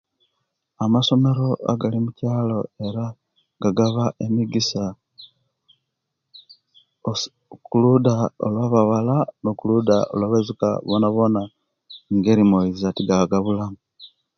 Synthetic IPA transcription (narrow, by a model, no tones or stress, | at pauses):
amaso̞me̞ɾo̞a̰ɡalimucaːlo̞e̞ɾa | ɡ̥aɡaβaʔemiɡisa | o | kuludao̰lwaβaβalanokuludao̰lwaβazuka̰βonaβo̞na | ŋɡeɾimoizatiɡaɡaβulamu